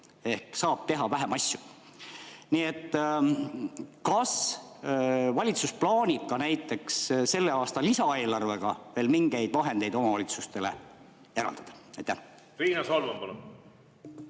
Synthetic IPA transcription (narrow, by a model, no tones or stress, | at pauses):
e̞hksɑːb̥̚t̪e̞ɦɑvæɦæmɑsʲju | nie̞t̪ːˑ | kɑs | vɑlʲit̪susplɑːnʲib̥̚kɑnæjt̪ːˑe̞ksse̞lːe̞ɑːst̪ɑlisɑe̞ːlɑrve̞ɡ̥ɑve̞ːlmiŋɡ̥e̞jd̪̥vɑɦe̞nd̪e̞jd̪o̞mɑvɑlʲit̪sust̪e̞le̞̰ | eɾɑ̰ld̪̥ɑd̪̥ɑ̥ɑjt̪ːæh | ɾiːnɑsɑlvɑmpɑlon